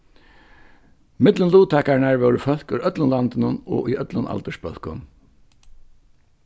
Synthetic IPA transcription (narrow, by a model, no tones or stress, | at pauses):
mɪt̪lənluːt̪ʰaːkaɹnaɹʋɛwɾəfœlkʏɾœt̪lənlant̪ɪnʊnɔ̰ːʔʏœt̪lʊnʔa̰lt̪əʂpœl̥kʊn